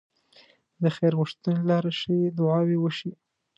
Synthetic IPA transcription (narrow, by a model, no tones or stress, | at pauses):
d̪əxeɾɣəʃt̪anelɑɾaʃəwed̪ʊʕɑwewəʃi